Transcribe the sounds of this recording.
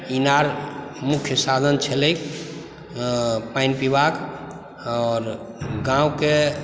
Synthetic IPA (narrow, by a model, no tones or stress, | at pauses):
inaɾmukʰjəsad̪ʱənt͡ʃʰeləjk | painpibak | ɔɾ | ɡãuke